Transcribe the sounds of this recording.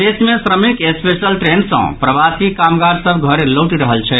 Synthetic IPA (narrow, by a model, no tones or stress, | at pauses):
esmesɾəmikespesəlʈɾensə̰̃pɾəbasikamɡaɾsəbɡʱəɾeloʈiɾəɦəlt͡ʃʰɛ